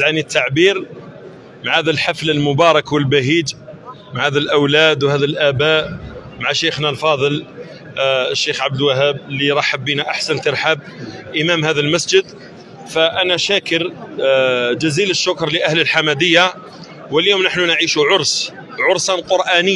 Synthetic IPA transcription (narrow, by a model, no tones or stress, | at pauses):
zʕanit̪ʰːaʕbiɾ | maʕhæd̪ælħafləlmʊbɑɾˤɑkwəlbæɦid͡ʒ | maʕhæd̪ælʔəwlæd̪whæd̪ælʔæbæʔmaʕaʃexnalfɑðˤəl | əʃːexʕab̚d̪lwæɦæbliɾˤɑħabːinaʔaħsənt̪əɾħab̚ʔəmæmhæðælmæsd͡ʒəd̪ | fæʔænæʃækəɾ | d͡ʒæziləʃːʊkɾˤləʔæhləlħamæd̪əjːa | wəljoːmnəħnunʕiʃuʕʊɾˤs | ʕʊɾˤsɑnqʊɾˤʔænəː